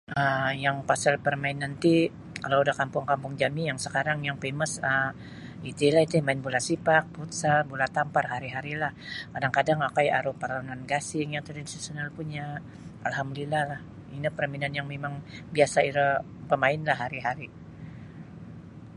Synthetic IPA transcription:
ʔəjaŋpasalpərmaɪnant̪i | kalaudahkampʊŋkampʊŋd͡ʒamijaŋsəkaɾaŋjaŋpeməsə | it̪ilahit̪umaɪnbulasipak̚put̪sabulat̪amparɦaɾiɦaɾilahkadaŋkadaŋakajaɾupaɾaunanɡasɪŋjaŋt̪ərdinsisonalpuɲa | ʔa̰lɦamdolilahlah | inipəɾminanjaŋmemaŋbiasaiɾə | pəmaɪnlahɦaɾiɦaɾi

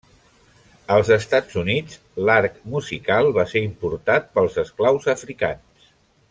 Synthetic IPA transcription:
əlˠzəst̪ad͡zunid͡z | laɾkmuzikalˠβaseɾimpuɾt̪at̪̚pəlˠzəsklawzəfɾika̰ns

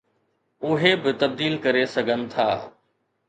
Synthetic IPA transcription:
ʊɦebɪt̪ɐb̚d̪iːlkɐɾesɐɡʱənɪ̆t̪ʰa̰ː

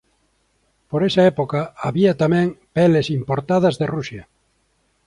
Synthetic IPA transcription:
poɾesɐɛpokaaβiɐt̪amɛ̃ŋpɛlesimpoɾt̪aðɐzðerusjɐ

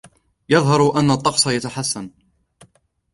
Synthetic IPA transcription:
jɑðˤɦɑɾˤʔanːat̪ˤːɑqsˤɑjat̪aħasːan

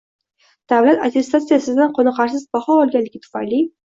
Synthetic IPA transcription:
d̪̥avlat̪at̪ʰʲe̞st̪at̪sɨjasɪd̪anqʰonɨqʰɑɾsɪzbahɒɒlˠɡʲanlːɪɡʲɪt̪ʰʊ̥fa̰jli

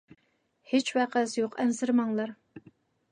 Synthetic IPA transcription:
het͡ʃwæqæzjoqɛnzɪɾmɑŋlˠɑɾ

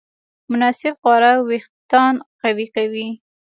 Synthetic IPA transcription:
mʊnɑsɪbɣwɑɾawext̪ɑnqawiqawi

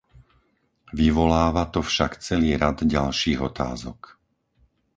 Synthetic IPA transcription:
ʋiʋɔlaːʋat̪ɔfʃakt͡sɛliːɾad̪ɟalʃiːɣɔt̪a̰ːzɔ̰k

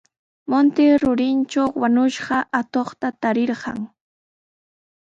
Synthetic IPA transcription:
mont̪eɾʊɾɪnt͡ʃawwanʊʃɢɑʔat̪oχt̪at̪aɾɪɾɢɑ̰ŋ

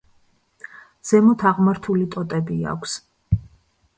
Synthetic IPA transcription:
z̥ɛmɔt̪ʰaʁmaɾt̪ʰulit̪ʼɔt̪ʼɛbia̰kʷʰs

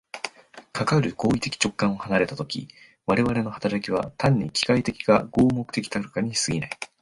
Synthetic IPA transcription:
kʰakaɾɯ̟ɡo̞ːit̪e̞kʲi̥t͡ɕo̞kːãɰ̃o̞hanaɾe̞t̪at̪o̞kʲḭ | βaɾe̞βaɾe̞no̞hḁt̪aɾakʲiβ̞a̰t̪ʰãɲ̟ːikʲi̥kait̪e̞kʲiɡaɡ̥o̞ːmo̞kɯ̟̥t̪e̞kʲi̥t̪akɯkaɲ̟isɨɡʲina̰i

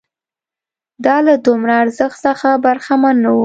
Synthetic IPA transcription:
d̪ɑlad̪ʊmɾaːɾzəxt̪səxabaɾxamanːawu

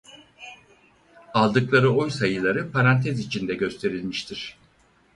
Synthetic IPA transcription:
alˠd̪ɯklˠaɾɯojsajɯlˠaɾɯpʰaɾant̪ʰɛzit͡ʃʰind̪ɛɟø̞st̪ʰe̞ɾilʲmiʃt̪ʰiɾ̥

